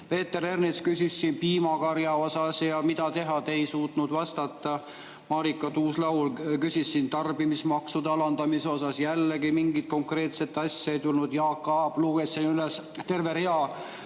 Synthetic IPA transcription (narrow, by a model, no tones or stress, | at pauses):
pe̞ːt̪ːˑeɾe̞rnit̪skysʲisːiːnpiːmɑkɑɾjɑo̞sɑsjɑmid̪̥ɑt̪e̞ɦɑt̪ejsuːt̪nud̪̥vɑst̪ɑt̪ːˑɑ | mɑːɾikːˑɑt̪uːslɑwlkysʲisːint̪ɑrb̥imismɑksud̪̥ɑɑlɑnd̪̥ɑmiso̞sɑsjælːeɡimiŋɡit̪̚ko̞ŋkre̞ːt̪set̪ːɑsʲːɑejt̪ulnud̪̥jɑːkːˑɑb̥luɡ̥esinyles | t̪e̞rve̞ɾeɑ